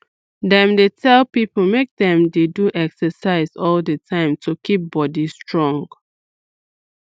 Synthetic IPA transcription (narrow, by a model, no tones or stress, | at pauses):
dɛ̃mdetʰɛlpipəl̩mek̚dɛ̃mdeduʔɛksəsaɪzɔldətʰãɪ̃mtʰukip̚bɔdistɹɔ̃ŋɡ